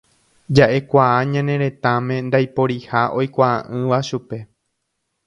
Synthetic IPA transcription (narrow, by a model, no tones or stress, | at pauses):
d͡ʒaʔe̞kʷaaɲãnẽ̞ɾẽ̞t̪ãmẽ̞nd̪ajpo̞ɾihaʔo̞jkʷaãʔɨ̃ʋaʃupe̞